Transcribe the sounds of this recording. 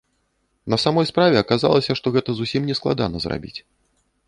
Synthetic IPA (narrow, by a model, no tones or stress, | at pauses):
nɐsamɔjspɾavʲɛɐkaza̰lˠɐsʲɐʂt̪ɔɣɛt̪ɐzusʲimnʲɛsklˠa̰d̪a̰nɐzra̰bʲḭt͡sʲ